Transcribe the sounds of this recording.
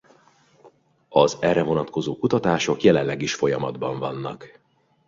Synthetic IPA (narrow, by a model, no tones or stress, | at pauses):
ɒzɛrːɛvo̞nɒt̪ko̞zoːkut̪ɒt̪aːʃo̞kjɛlɛnlɛɡiʃfo̞jɒmɒd̪bɒɱvɒnːɒ̰k